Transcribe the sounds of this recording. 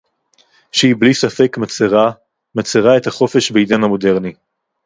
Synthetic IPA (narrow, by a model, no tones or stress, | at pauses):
ʃehiblisafekmat͡seʁa | mat͡seʁae̞t̪haχo̞fe̞ʃbeid̪anhamo̞de̞ʁni